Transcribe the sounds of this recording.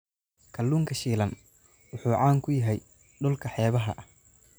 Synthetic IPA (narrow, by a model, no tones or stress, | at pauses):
kʰɐlːuːŋkʰɐʃiːlɐn | wʊħuːʕaːŋkʰʊjɐɦɛj | ɖʊlkʰɐħɛːβɐɦɐ̰ʔɐ